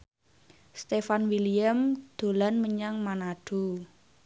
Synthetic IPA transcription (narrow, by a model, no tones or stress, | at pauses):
st̪efanwiliamd̪̥o̤lanməɲaŋmanaɖ̥o̤